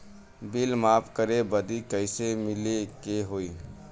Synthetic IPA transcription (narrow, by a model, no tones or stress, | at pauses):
bilmapʰkəɾebəd̪ikəɪsemɪlekeɦoi